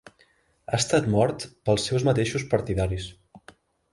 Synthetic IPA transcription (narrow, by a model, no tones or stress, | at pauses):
a̰st̪at̪mɔɾt̪pəlˠsːɛwzmət̪eʃuspəɾt̪iðaɾis